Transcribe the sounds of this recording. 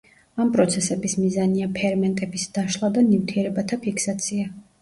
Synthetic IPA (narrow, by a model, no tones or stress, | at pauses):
ampʼɾɔt̪sʰɛsɛbismizaniapʰɛɾmɛnt̪ʼɛbisd̪̥aʃlˠad̪animt̪ʰiɛɾɛbat̪ʰapʰiksat̪sʰia